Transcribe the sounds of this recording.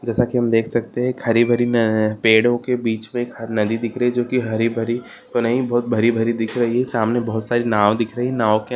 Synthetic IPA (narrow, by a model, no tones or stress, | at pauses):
d͡ʒɛːsakiɦɐmd̪eːkʰsɐk̚t̪eɦɛ̃khɐɾibʱɐɾipeːɽõkebiːt͡ʃmẽːkɦɐɾnɐd̪id̪ɪkʰɾɐɦid͡ʒoːkiɦɐɾibʱɐɾi | t̪onɐɦĩbɔɦt̪̚bʱɐɾibʱɐɾid̪ɪkʰɾɐɦiɦɛsaːmnebɔɦʊt̪saːɾinaːʋd̪ɪkʰɾɐɦiɦɛnaːʋoke